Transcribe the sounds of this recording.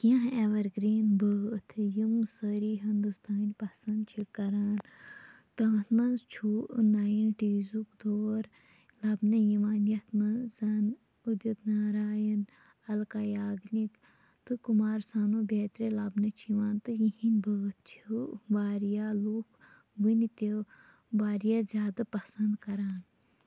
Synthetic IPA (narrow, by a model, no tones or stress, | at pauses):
kjãɦeʋɐɾɡɾiːnbət̪ʰɨjimsəɾiːɦɐnd̪ust̪ʰaːnʲpɐsɐnd̪t͡ʃʰikɐɾaːn | t̪ɐmɐt̪ʰmɐnzt͡ʃʰuːʔnaːjinʈiːzukd̪oːɾ | lɐbnɐjimaːnjɐt̪ʰmɐnzɐn | ud̪ɐt̪naːɾaːjɐn | ɐlkaːjaːɡnik | t̪ɨkumaːɾsaːnoːbeːt̪ɾelabnɐt͡ʃʰiʋaːnt̪ɨjihinbɨɡt̪̚t͡ʃʰibaːɾjalukʰ | ʋɨnit̪e | baːɾijaːzʲjaːd̪apɐsɐnd̪kɐɾaːn